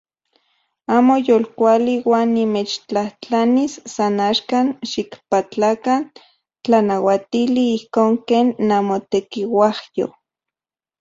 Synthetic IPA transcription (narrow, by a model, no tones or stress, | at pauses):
aːmojolkʷaliwaːnːimet͡ʃt͡ɬaht͡ɬanisːanaːʃkanʃikpat͡ɬakan | t͡ɬanawat̪iliihkoːŋkeːnːamot̪ekiwahjo̰